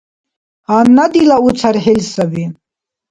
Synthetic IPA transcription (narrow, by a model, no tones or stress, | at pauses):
hanːɐd̪ilaut͡sʰɐɾɦelsɐbi